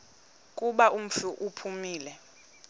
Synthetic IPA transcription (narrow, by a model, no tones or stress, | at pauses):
kʼuɓaum̩ɬuʔupʰumiːlɛ